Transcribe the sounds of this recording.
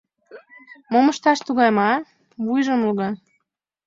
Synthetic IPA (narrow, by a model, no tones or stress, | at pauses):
moməʃt̪ɑʃt̪uɣɑjmɑ | βujʒə̆mluɣɑ